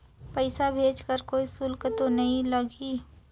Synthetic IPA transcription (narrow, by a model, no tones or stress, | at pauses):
pəɪsabʱeːd͡ʒkəɾkoːisʊlkt̪onɐɦĩlɐɡiː